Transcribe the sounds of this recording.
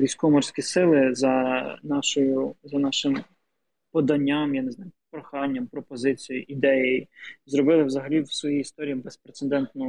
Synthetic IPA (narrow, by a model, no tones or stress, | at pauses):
ʋʲijsʲkɔɔmɔrsʲkʲisɪlˠɪzɐnɑʃɔjʊzɐnɑʃɪm | pɔd̪ɐnʲːamjaneznɑjʊpɾɔxɑnʲːɐmpɾɔpɔzɪt͡sʲijʊʔid̪ɛjejzɾɔbɪlˠɪwzɐɦɐlʲiwsʋɔjiist̪ɔɾʲijibespɾet̪send̪ɛnt̪nʊ